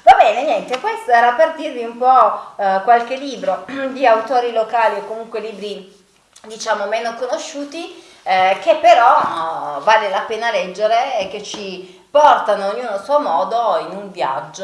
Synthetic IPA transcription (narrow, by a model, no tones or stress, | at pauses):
vabɛːneɲjɛnt̪ekwest̪oɛːɾaperd̪irviumpɔkwalk̟elːiːbɾod̪iawt̪oːɾilokaːliokːomuŋkweliːbɾi | d̪it͡ʃaːmomenokonoʃːuːt̪i | kepːeɾɔ | valelapeːnalɛd͡ʒːeɾek̟et͡ʃːi | pɔrt̪anoːɲːuːnosuomɔːd̪oinuɱvja̰d͡ʒːo